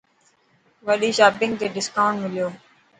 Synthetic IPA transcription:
ʋəɗiːʃaːbɪ̃ŋɡ̚t̪eːɖɪskaːʊ̃ɳʈmɪlijoː

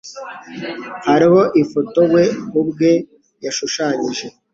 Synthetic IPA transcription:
haɾiho̞ʔifoto̞ɡwe̞kubɡe̞ | jaʃuʃaːɲiʒe̞

